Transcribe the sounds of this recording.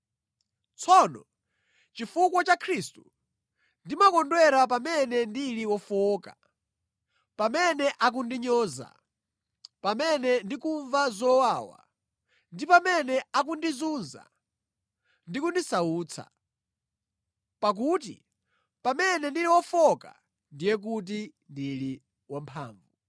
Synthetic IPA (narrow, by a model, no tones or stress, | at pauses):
t͡sʰɔnɔ̰ | t͡ʃifuk̬wɔt͡ʃakʰɾistu | ndimakɔndwɛɾap̬amɛnɛndiliwɔfɔːka | pamɛnɛʔak̬undiɲɔːza̰ | pamɛnɛndikuɱvazɔwawa̰ | ndipamɛnɛak̬undizunza̰ | ndikundisauːt͡sʰa̰ | pak̬uːtḭ | pamɛnɛndiliwɔfɔka̰ | ndijɛk̬ut̬indili | wampʰa̰ːɱvu